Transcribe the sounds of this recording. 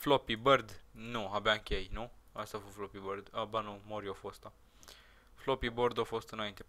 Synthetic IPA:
flopibərd̪nuabaɨŋkʲejnuə̰st̪afoflopibərd̪abanumoɾiofost̪a | flopiboɾd̪awfost̪ɨnaint̪e

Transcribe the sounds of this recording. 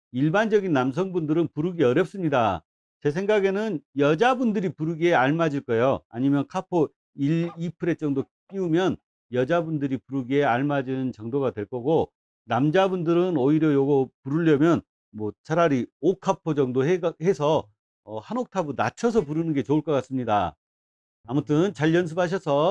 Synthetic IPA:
iɭband͡ʑʌɡinːamsʰʌŋbundɯɾɯnpuɾɯɡiʌɾjʌp̚s͈ɯmɲida | t͡ɕe̞s̬ʰeŋɡaɡe̞nɯnjʌd͡ʑabundɯɾipuɾɯɡieaɭmad͡ʑiɭk͈ʌejoa̰ɲimjʌnkʰapʰo | iipʰɯɾe̞t͡ɕ͈ʌŋdo | p͈iumjʌn | jʌd͡ʑabundɯɾipuɾɯɡieaɭmad͡ʑiɯnt͡ɕʌŋdoɣadwe̞ɭk͈ʌɡo | namd͡ʑabundɯɾɯnoiɾjʌjoɡʌpuɾuʎːʌmjʌn | mwʌt͡ɕaɾaɾiokʰapʰod͡ʑʌŋdoɦehe̞sʰʌ | ʌhanok̚tʰabɯnat͡ɕʰʌs̬ʰʌpuɾɯnɯnɡe̞t͡ɕouɭk͈ʌk͈as͈ɯmɲida̰ː | mʌtʰɯnt͡ɕaʎjʌns̬ʰɯp̚haɕ̬ʰʌsʰʌ

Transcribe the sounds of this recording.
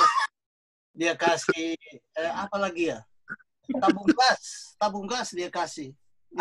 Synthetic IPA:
diakasi | apalaɡija | t̪abuŋɡast̪abuŋɡasdiakasih

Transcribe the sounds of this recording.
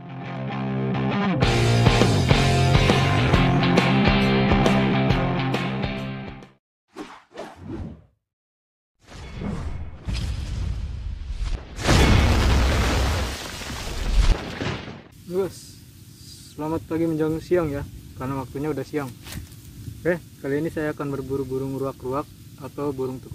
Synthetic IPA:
uɡasː | əlamat̪̚paɡiməɲd͡ʒaŋsiaŋjakarnawak̚t̪uɲaudahsiaŋ | bɛhkaliːnisajaːkanbərbuɾʊbuɾʊŋruakruak̚ | at̪awbuɾʊŋt̪uku

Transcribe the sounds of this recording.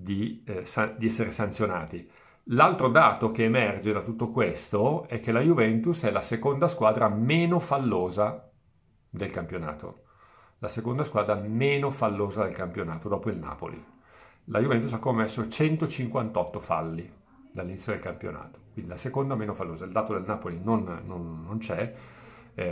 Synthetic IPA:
d̪isad̪iɛsːeɾesant̪sjona̰ːt̪i | lalt̪ɾod̪aːt̪okeːmɛrd͡ʒed̪at̪ut̪ːokwest̪oɛkːelajuvɛnt̪usɛlasekond̪askwaːd̪ɾameːnofalːoːza | d̪elkampjona̰ːt̪o̰ | lasekond̪askwaːd̪ɾameːnofalːoːzad̪elkampjonaːt̪od̪ɔːpoilna̰ːpo̰lḭ | lʔajuvɛnt̪us̬akːomːesːot͡ʃɛnt̪ot͡ʃiŋkwant̪ɔt̪ːofa̰lːi | d̪alːinit̪sjod̪elkampjo̰na̰ːt̪o̥kwind̪ilasekond̪ameːnofalːoːzaild̪aːt̪od̪elnaːpolinonːonːont͡ʃɛ

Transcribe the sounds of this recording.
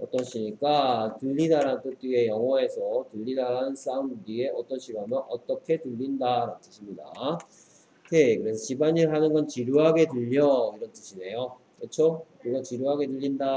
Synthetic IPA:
ʌt͈ʌnɕʰiɲik͈atɯʎːidaɾaɯnt͈ot͈ie̞jʌŋʌe̞sʰʌtɯʎːidaɾanɯns͈aunbudie̞ʔʌt͈ʌnɕʰiɡamʌʔʌt͈ʌkʰe̞tuʎːindaɾanɯnt͈ɯɕʰimɲida̰ | kekɯɾe̞sʰʌt͡ɕibaɲiɭɦanɯnɡʌnt͡ɕiɾjuɦaɡe̞tɯʎːʌiɾʌnt͈ɯɕʰine̞jo | kɯt͡ɕʰokɯɡʌt͡ɕiɾjuɦaɡe̞dɯʎːinda

